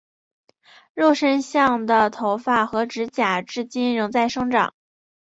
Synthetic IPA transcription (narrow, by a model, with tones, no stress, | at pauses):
ɻo˥˩ʊʂə˥nɕjɑ˥˩ŋd̪ə˩t̪ʰo˧˥ʊfa˥˩xɤ˧˥ʈ͡ʂɻ̩˧˥t͡ɕja˨˩ʈ͡ʂɻ̩˥˧t͡ɕi˥˩nɻɤ˧˥ŋt͡sa˥˩ɪʂɤ˥ŋʈ͡ʂɑ̰˨˩˦ŋ